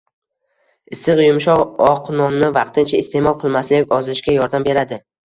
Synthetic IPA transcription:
ɪsɨqjʊmʃɒʁɒqnɒnːɪvɑqt̪ʰɪnt͡ʃʰaɪst̪ʰe̞mɒlˠqʰɨlˠmaslɪkʲɒzɪʃkʲajɒɾd̪ambe̞ɾad̪ɪ

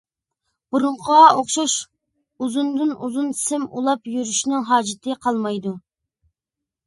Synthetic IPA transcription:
b̥uɾuɴqʰoχʃɑʃ | uzund̪ɨnuzunsɪmṵlˠɑpjyɾyʃnɪŋɦɑːd͡ʒɪt̪ʰɨqʰɑlˠmɑjd̪u

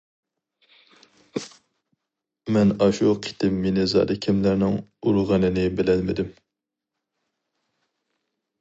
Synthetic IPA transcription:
mɛnɑʃuqʰi̥t̪ʰɪmːenɪzɑ̰ːd̪ɨkʲʰɛmlæɾnɪŋuɾʁɑnɨnɪbɪlɛlmɪd̪ɪm

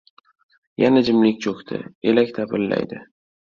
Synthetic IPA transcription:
janad͡ʒɪmlɪkʲt͡ʃʰokʲt̪ʰɪ̰elakʲt̪ʰapʰɪlːa̰jd̪ɪ

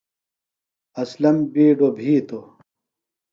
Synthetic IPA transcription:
ɐslɐmbiːɖobʱiːt̪o

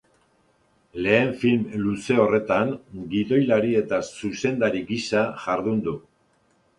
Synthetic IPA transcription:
le̞ːɱfilmluse̞o̞re̞t̪aŋɡiðo̞jlaɾie̞t̪asuse̞nd̪aɾiɡisaʝaɾðund̪u

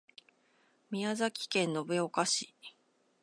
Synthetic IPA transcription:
mʲiazakʲi̥kẽ̞nːo̞beokaɕi

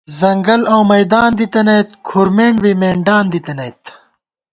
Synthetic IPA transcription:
zɐŋɡɐlɐwmɐjd̪aːnd̪it̪ɐnɐjt̪kʰuɾmeːɳbimeːɳɖaːnd̪it̪ɐnɐjt̪

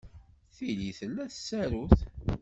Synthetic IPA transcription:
θiliθəlːæθə̥sːæɾuθ

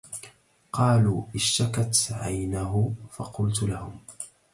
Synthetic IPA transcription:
qɑːluːʔɪʃːakat̪ʕajnaɦʊfɑ̰qʊlt̪ʊlahʊm

